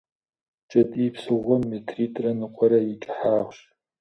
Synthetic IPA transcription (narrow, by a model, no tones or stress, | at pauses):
t͡ʃʼɐtʼiːpsɨʁʷɔmːetʰriːtʼrɐnɨqʷʼɔɾɐjit͡ʃʼħaːʁʷɕ